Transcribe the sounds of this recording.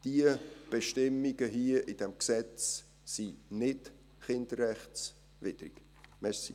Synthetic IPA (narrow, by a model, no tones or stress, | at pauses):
d̥iəb̥eʃtɪmːiɡ̥əɦiəʔɪd̥ɛmksɛt͡sː | inɪd | χɪnd̥əɾɛχt͡s | vɪdɾḭɡ̥ | mɛɾsi